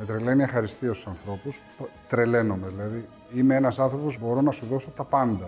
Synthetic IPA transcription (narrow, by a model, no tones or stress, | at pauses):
met̪ɾe̞le̞niɐxɐɾist̪iost̪u̥sɐnθɾo̞pus | pt̪ɾe̞le̞no̞me̞ðilɐði | imeenɐsɐnθɾo̞pozbo̞ɾo̞nɐsuðo̞so̞t̪ɐpɐnd̪ɐ